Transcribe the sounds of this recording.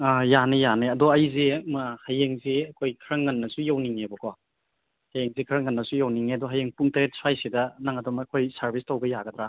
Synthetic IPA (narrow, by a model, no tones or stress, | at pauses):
ajanejaneɐdɔɐjzemɐhajeŋzeɐkʰojkʰɾɐŋːɐnːɐsujawniŋebɔkʰɔ | hajeŋzekʰɾɐŋːɐnːɐsujawniŋeɐdɔɦajeŋpuŋtɐɾet̚swajsidɐnaŋɐdɔmɐkʰojsɐɾbistowɡɐjaɡɐd̪ɾa